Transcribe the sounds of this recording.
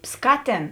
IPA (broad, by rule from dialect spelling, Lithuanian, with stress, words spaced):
ˈskɑːˌtʲeːn